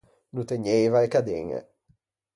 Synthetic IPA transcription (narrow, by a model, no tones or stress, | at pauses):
nut̪eɲːejvaekad̪ḛŋḛ